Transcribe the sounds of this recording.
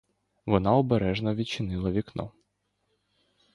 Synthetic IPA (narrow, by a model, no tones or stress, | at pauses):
ʋɔnɑɔbeɾɛʒnɐʋʲit͡ʃɪnɪlˠɐʋʲiknɔ̰